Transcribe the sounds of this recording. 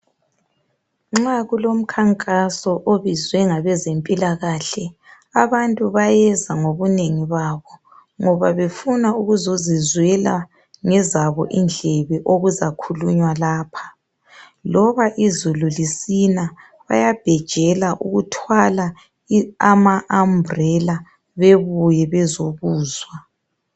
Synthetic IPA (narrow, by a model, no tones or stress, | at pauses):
ŋ͡ǁaɣulom̩kʰaŋkʼasɔʔoβizwɛŋaβɛzempʼilaɣaːɬɛ | aβantʼuβajɛzaŋoβuneŋiβaːβɔ | ŋɔβaβefunauɣuzozizwɛla | ŋɛzaβɔʔind͡ɮʱɛβɛʔoɣuzakʰuluɲwalaːpʰḁ | lɔβaʔizululisina | βa̰jab̥ʱɛd̥ʒ̥ʱɛlaʔṵɣutʰwala | amaʔambrɛla | βeβujɛβɛzoβuːzwa